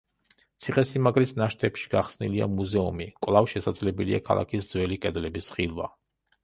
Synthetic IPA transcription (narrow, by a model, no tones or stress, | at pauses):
t̪sʰiχɛsimaɡɾisnaʃt̪ʰɛpʃi̥ɡ̥aχsnḭlia̰muzɛumikʼwlˠavʃɛsad̪zlɛbɛlia̰kʰa̰lˠa̰kʰisd̪zwɛlikʼɛd̪lɛbisχilˠva̰